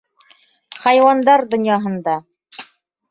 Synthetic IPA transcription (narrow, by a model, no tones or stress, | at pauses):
χɑjwɑnd̪ɑɾd̪ŏnjɑɦɤ̆nd̪ɑ